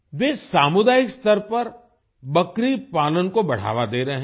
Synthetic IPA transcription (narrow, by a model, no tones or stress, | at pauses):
ʋeːsaːmʊd̪aːɪkst̪əɾpɐɾ | bɐkɾipaːlənkobɐɽ̤a̰ːʋad̪eːɾɐɦɛ̃